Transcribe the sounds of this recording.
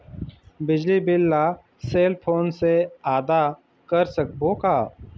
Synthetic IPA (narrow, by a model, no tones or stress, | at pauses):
bɪd͡ʒlibɪlːa | seːlpʰoːnseaːd̪a | kəɾsək̚boːkaː